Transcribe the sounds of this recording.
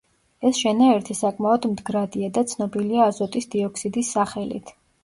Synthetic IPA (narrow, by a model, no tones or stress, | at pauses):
ɛsʃɛnaɛɾt̪ʰisakʼmaɔd̪md̪ɡɾad̪iad̪at̪sʰnɔbiliaːzɔt̪ʼisd̪iɔkʰsid̪isːaχɛlḭt̪ʰ